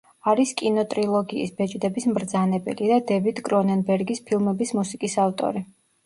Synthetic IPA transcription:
aɾiskʼinɔt̪ʼɾilˠɔɡḭːsbɛt͡ʃʼd̪ɛbismɾd̪zanɛbɛ̰lid̪ad̪ɛvid̪kʼɾɔnɛnbɛɾɡispʰilˠmɛbismusikʼisaft̪ʼɔ̰ɾi

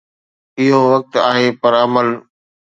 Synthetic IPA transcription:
ɪɦoʋək̚t̪aːɦeːpɐɾɐməl

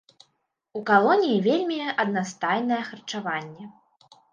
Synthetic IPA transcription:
ukalˠɔnʲijivʲelʲmʲiɐd̪nast̪ajnɐjɛxɐrt͡ʂavanʲːɛ

